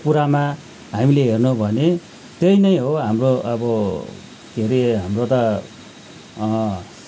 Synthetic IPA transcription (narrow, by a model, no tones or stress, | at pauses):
puɾama | ɦamileɦernubʱʌne | t̪ejnʌj̃ɦoɦamroʔʌbʌ | keɾeɦamrot̪ʌ